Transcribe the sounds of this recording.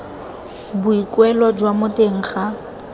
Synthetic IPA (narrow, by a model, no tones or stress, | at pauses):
bʊikwɛlɔd͡ʒwamʊteŋ̩ːχa